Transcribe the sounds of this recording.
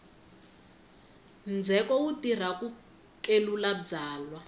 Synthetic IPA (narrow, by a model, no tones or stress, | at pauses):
nd͡zʱɛkɔwutir̤aku | kelulad͡zaːlwa